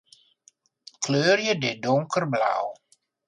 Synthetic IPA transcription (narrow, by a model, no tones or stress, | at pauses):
kʰløːrjədɪdʊŋkərbla̰w